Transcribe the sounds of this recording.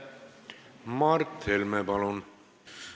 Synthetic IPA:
mɑrt̪ʰːelmɛbɑlon

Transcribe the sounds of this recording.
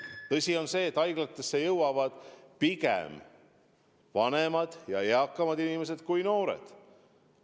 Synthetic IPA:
t̪ɤsʲio̞nse̞ːt̪ːˑɑjɡ̥lɑt̪ːˑe̞sːe̞jɤwwɑvɑd̪̥pikḛm | vɑnemɑd̪̥jɑ̰eɑkːˑɑmɑd̪inime̞s̬e̞d̪̥kujno̞ːɾḛd̪̥

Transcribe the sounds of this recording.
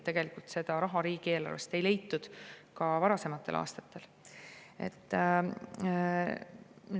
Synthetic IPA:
t̪eɡ̥e̞likult̪se̞d̪̥ɑɾɑɦɑɾiːɡ̥ie̞ːlɑ̰rve̞st̪e̞jle̞jt̪ːud̪̥kɑvɑɾɑse̞mɑt̪ːˑe̞lʔɑ̰ːst̪ɑt̪ːe̞l | e̞̰t̪ˑː | mi

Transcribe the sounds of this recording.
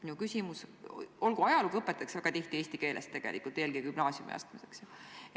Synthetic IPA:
nukysʲimuso̞lɡ̥uɑjɑluɡɤpːˑet̪ːˑɑksvæɡ̥ɑt̪iht̪ie̞ːsʲt̪ike̞ːlḛst̪ːe̞ɡ̥e̞̰likult̪eːlɡikymnɑːsʲjṵmḭɑ̰st̪miseksjɑ

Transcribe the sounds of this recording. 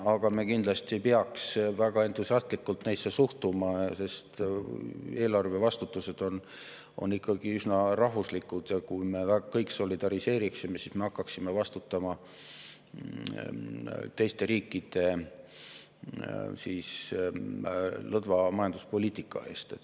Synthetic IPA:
ɑɡ̥ɑme̞kind̪lɑst̪ipeɑksvæɡ̥ɑe̞nt̪ˑusiɑst̪likːult̪nejsːe̞suht̪umɑse̞st̪ | e̞ːlɑrve̞vɑst̪ut̪ːˑuse̞d̪̥o̞n | o̞̰nːikːɑɡ̥iysnɑrɑɦvuslikːˑud̪̥jɑkujme̞vækɤjkso̞lid̪̥ɑɾise̞ːɾiksime̞sisme̞ɑkːɑksime̞vɑst̪ut̪ːˑɑmɑ | t̪e̞jst̪e̞ɾiːkˑːid̪̥e̞ | siːs | lɤd̪vɑmɑjɑnd̪̥uspo̞liːt̪ikːˑɑ̰e̞ːst̪et̪ː

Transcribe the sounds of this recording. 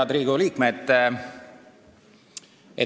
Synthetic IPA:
ɑd̪ɾiːɡ̥uliːkmet̪ː | e

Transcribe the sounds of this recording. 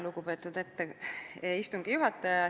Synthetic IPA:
luɡ̥upe̞ːt̪ːˑud̪e̞t̪ːeeist̪uŋɡ̥ijuɦɑt̪ːˑɑjɑɑ

